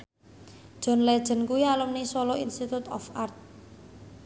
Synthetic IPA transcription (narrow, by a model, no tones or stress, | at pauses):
d̥ʒ̥ɔ̤nlɛd̥ʒ̥ə̤nkuialʊmnisɔlɔḭnst̪it̪ut̪ɔ̰fart̪̚